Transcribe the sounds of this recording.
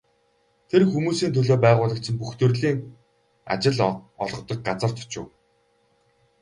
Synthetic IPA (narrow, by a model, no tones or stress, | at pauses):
t̪ʰerxumuːsiːnt̪ʰɵɮoːpæːʁʊːɮə̆k̚t͡ɕʰɪ̆mpuxt̪ɵ̆rɮiːŋ | a̰t͡ɕɪ̆ɮɔ̰ɮʁɞ̆t̪ɞ̆k̚ɢat͡sə̆r̥t̪ʰʊ̥t͡ɕʊ̰̆ːw